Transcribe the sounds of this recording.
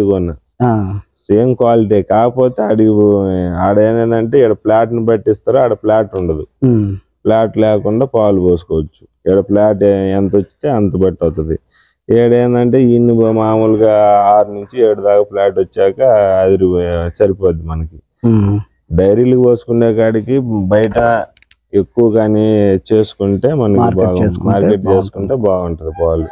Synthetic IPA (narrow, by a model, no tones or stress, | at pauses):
ikonːɐ | aseːmkʋaːliʈ̬ekaːkɐpo̞ːt̪eːɐɽiɡiɐɽenend̪ɐɳʈe̞ːiɽɐplaːʈnibɐʈːist̪aːɾoɐɽɐplaːʈuɳɖɐd̪u | plaːʈlɛːkuɳɖaːpaːluboːsu̥kɔːʋɐt͡ʃːu̥ | iɽɐplaːʈɛnt̪ɐot͡ʃːi̥t̪eːɐnt̪ɐbɐʈːɐːt̪und̪i | eːɽɐjnd̪ɐɳʈe̞ːiːnːimaːmuːlɡaːaːɾnuɲt͡ʃieːɽud̪aːkaplaːʈot͡ʃːaːkɐːd̪iɾit͡ʃɐɾipoːd̪imɐnɐki | ɖɐjɾiːlukiboːsu̥kuɳɖeːkaːɽikibɐjɐʈɐ | e̞kːuʋɐkaːnit͡ʃe̞ːsu̥kuɳʈe̞ːmɐnɐkkibːɡekːmaːɾkeʈ̚t͡ʃeːsu̥kuɳʈeːbaːɡɐɳʈud̪ipaːlu